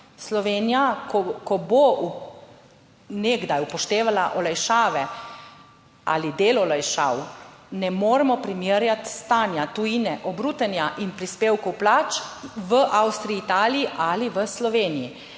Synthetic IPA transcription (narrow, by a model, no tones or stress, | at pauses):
slɔʋeːnijakɔkɔbo | neɡd̪ajupɔʃt̪eːʋalaʔɔlajʃaːʋɛ | a̰lid̪eːlɔlajʃa̰ːwnɛmoːɾɛmɔpɾimeɾjat̪st̪aːnjat̪uinɛʔɔbɾuːt̪ənjaʔinpɾispeːwkɔwplaːt͡ʃʋəʔawst̪ɾiiːt̪aːliiʔaliʋəslɔʋeːniji